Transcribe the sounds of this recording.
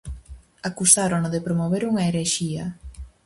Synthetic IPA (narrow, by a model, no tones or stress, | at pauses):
akusaɾonoðepɾomoβeɾuŋaeɾeɾʃiɐ